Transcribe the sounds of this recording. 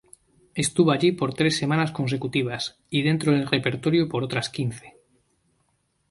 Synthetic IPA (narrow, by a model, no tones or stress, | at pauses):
e̞st̪uβoaʎipo̞ɾt̪ɾe̞sːe̞mãnasko̞ns̬e̞kut̪iβ̞as | iðe̞nt̪ɾoðelre̞pe̞ɾt̪o̞ɾjopo̞ɾo̞t̪ɾaskinθe̥